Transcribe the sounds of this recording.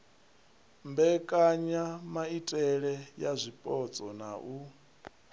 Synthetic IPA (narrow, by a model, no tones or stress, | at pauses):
mbɛkʼaɲamaitʼɛɺɛjazʷipʼɔt͡sʼɔna̰ʔu